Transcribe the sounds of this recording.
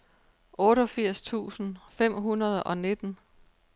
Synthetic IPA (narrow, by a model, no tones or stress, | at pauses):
ʔɔːɾɒfiɐ̰st͡sʰṵːsn̩fem̰ɦunɐð̞̩ˠʔɒ̽ne̝d̥n̩